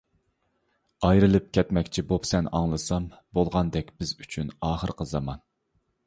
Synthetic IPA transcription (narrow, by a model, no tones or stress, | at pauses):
ɑjɾɨlˠɨp̚kʲɛt̪mɛkʲt͡ʃʰibopsɛnɑ̰ŋlˠɨsɑmbolˠʁɑnd̪ɛkʲbɪzyt͡ʃʰynɑːχəɾqʰəzɑmɑn